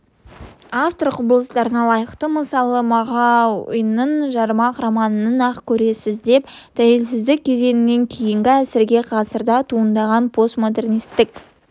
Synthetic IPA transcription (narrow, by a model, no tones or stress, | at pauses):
aft̪o̞rɾqʰʊbəlˠəst̪ɑɾənɑlˠɑjəqt̪əməsɑlˠəmɑʁɑʊjənəɴʒɑɾmɑqramɑnənənɑqkʲʰɵɾe̞sɪzd̪e̞p̚d̪̥ʰæje̞lsɪzd̪ɪk̚ʲʰːe̞ze̞nɪne̞ŋkʲʰe̞jɪŋɡʲɪæsɪɾɡʲe̞qʰɑsəɾd̪ɑt̪ʰuənd̪ɑʁɑnpʰo̞st̪mo̞d̪e̞rnist̪ːɪkʲ